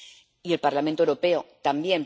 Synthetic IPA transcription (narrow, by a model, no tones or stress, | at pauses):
ie̞lpaɾlament̪oewɾo̞pe̞ot̪ambje̞m